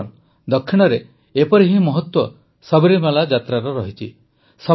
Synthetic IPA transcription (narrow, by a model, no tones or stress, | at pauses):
n | d̪ɔkʰːiɽ̃ɔɾe | epɔɾiɦimɔɦɔt̪wɔ | sɔbiɾimalad͡ʒat̪ɾaɾɔɾɔɦit͡ʃʰi | sɔ